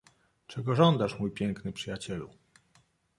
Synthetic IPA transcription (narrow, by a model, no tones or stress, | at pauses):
t͡ʂɛɡɔʐɔnd̪aʂmujpʲjɛŋknɘpʂɘjat͡ɕɛlṵ